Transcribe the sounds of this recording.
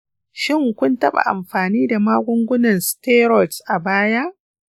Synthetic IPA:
ʃɪ˦˨ŋkʷʊ˦ntɐ˦ɓa̰˨ʔa̰˨mɸaː˨niː˦da˨maː˦ɡʷʊ˦ŋɡʷʊ˦nɐ˨nsteː˦ɾɔ˨tsʔa˨baː˦ja˦ʔ

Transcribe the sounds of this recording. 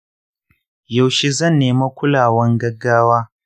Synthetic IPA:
ja˨wʃe˦zɐ˦˨nːeː˨ma˦kʷʊ˦laː˨wɐ˦ŋɡɐ˦ɡːaː˦waː˦

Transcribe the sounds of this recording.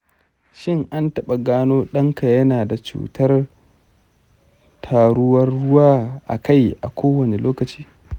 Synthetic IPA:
ʃɪ˦ŋʔa˦ntɐ˦ɓa˨ɡaː˦noː˦ɗɐ˦ŋka˨jɐ˦naː˨da˨t͡ʃṵː˨tʰɐ˦r | tʰaː˨ɽʊ˦wɐ˦rːʊ˦waː˦ʔa̰˨ka˦jʔa̰˨kʰʷoː˦wɐ˨ne˨loː˦kɐ˨t͡ʃi̥ː˦

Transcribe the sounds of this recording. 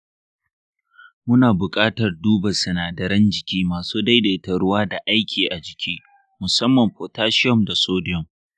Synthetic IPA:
mʊ˦naː˨bʊ˨kʼaː˦tɐ˨rduː˦ba˨sɐ˨naː˨dɐ˨ɾɐ˦nd͡ʒɪ˨kʲiː˦maː˨suː˦da˦jda˨tɐ˨ɽʊ˦waː˦da˨ʔa˦jkʲʰiː˨ʔa˨d͡ʒɪ˨kʲʰiː˦ | mʊ˨sɐ˦mːɐ˨mɸoː˨taː˦ʃɪ˦ɔ˦˨mda˨soː˦dɪ˦jɔ˨m

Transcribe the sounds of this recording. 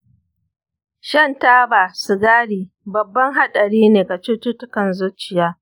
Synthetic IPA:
ʃɐ˦˨ntaː˦baː˨su˨ɡaː˦ɽiː˨ | bɐ˨bːɐ˦ŋɦa˦ɗɐ˨ɽiː˦neː˨ɡa˨t͡ʃʊ˦tʊ˦tʊ˦kɐ˨nzʊ˦t͡ʃɪ˨jaː˦

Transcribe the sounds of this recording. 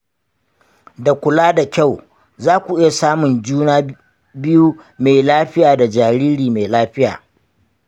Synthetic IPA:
da˨kʷʊ˨laː˦da˨kʲa˦˨w | zaː˦kʷu˨ʔɪ˦ja˨saː˦mʊ˨nd͡ʒuː˦naː˦ | bɪ˦ju˦ | ma˨jlaː˦ɸɪ˦jaː˨da˨d͡ʒaː˨ɾiː˦ɾiː˨me˨jlaː˦ɸɪ˦ja̰ː˨

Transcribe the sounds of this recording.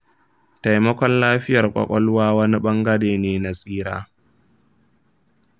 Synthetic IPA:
ta˨jmɐ˦kʷɔ˦nlaː˦ɸɪ˦jɐ˨rkʷʼɔ̰˨kʷʼɔ˦lʊ˦waː˦wɐ˦ni˦ɓɐ˦ŋɡɐ˦deː˨neː˨na˨sʼiː˦ɽa̰ː˦

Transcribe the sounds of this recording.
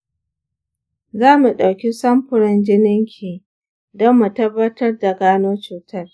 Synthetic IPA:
zaː˦mu˨ɗa˨wkʲi˦sɐ˦mɸʊ˨ɽɪ˦nd͡ʒɪ˦nɪ˦ŋkʲʰiː˨ | dɐ˦mːu˨tɐ˦bːɐ˦tɐ˦rda˨ɡaː˦noː˦t͡ʃuː˨tʰɐ˦r

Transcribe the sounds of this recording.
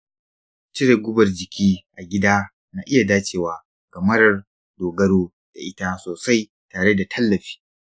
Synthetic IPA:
t͡ʃɪ˦ɾe˨ɡʷʊ˦bɐ˨rd͡ʒɪ˨kʲiː˦ʔa˨ɡʲɪ˦daː˦ | naː˦˨ʔɪ˦ja˨daː˦t͡ʃʼeː˨waː˨ | kɐ˨mɐ˦ɾɐ˦r | doː˨ɡɐ˦ɽoː˦ | d̥a˨ʔɪ˦ta˦soː˨sa˦j | taː˨ɽe˦da˨tʰɐ˦lːɐ˨ɸi̥ː˦

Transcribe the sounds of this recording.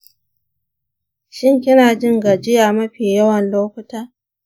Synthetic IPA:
ʃɪ˦ŋkʲɪ˦naː˨d͡ʒɪ˦ŋɡa˨d͡ʒɪ˦jaː˨mɐ˦ɸiː˨jɐ˦wɐ˨nloː˦kʷʊ˦taː˦

